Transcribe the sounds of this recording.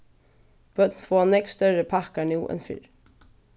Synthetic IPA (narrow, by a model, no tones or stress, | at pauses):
b̥œt̪nfoːnɛkst̪œɹəpʰɑkanuːʔɛ̰nfʏ̰ɾ